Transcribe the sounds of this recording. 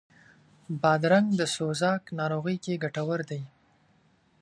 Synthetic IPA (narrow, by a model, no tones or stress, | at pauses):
bɑd̪ɾaŋɡd̪əsozɑknɑɾoɣəjkeɡaʈawəɾd̪aj